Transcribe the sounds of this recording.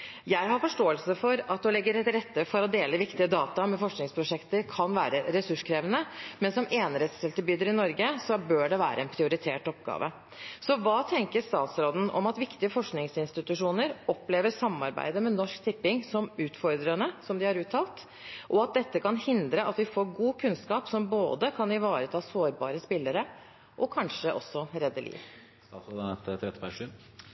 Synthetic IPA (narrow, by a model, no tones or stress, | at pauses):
jæɪɦɑɾfɔʂʈoːəlsəfɔɾɑt̪d̪ɛlɛɡːəɾɛt̪ɾɛt̪ːəfɔɾɔd̪eːləʋɪkt̪ɪəd̪ɑːt̪ɑmɛfɔʂknɪŋspʰɾʊʂɛkt̪əɾkʰɑnʋæ̰ːɾəɾɛsʉʂkʰɾeːʋənəmɛnsɔmeːnɾɛt̪st̪ɛlt̪əbyːd̪əɾɪnɔɾɡəsɔbøːɖɛʋæ̰ːɾə̰ɛnpʰɾɪʊɾɪt̪ʰḛːʈɔpɡɑ̰ːʋə̰ | sɔʋɑːt̪ʰɛŋkəɾʂt̪ɑ̰ːt̪sɾoːd̪n̩ʔɔ̰mɑt̪ʋɪkt̪ɪəfɔʂknɪŋsɪnst̪ɪt̪ʉʂuːnəɾɔpːleːʋəsɑmːɑ̰ɾbæ̰ɪd̪əmɛnɔʂkt̪ʰɪpːɪŋsɔmʉːt̪fɔɾd̪ɾənəsɔmd̪ɪhɑɾʉːt̪ʰːɑːlt̪ | ʔɔɑt̪̚d̪ɛt̪ːəkɑnhɪnd̪ɾəʔɑt̪ʋɪfoːɾɡuːkʰʉnskɑːpsɔmboːd̪əkʰɑnɪʋɑːɾət̪ʰɑːsoːɾbɑːɾəspɪlːəɾə | ʔɔkʰɑnʂəʔɔ̰sːɔɾɛd̪ːəlḭːʋ | t̪ɑt̪soːd̪ɛt̪t̪ːɾɛt̪ːəpʰæʂiːn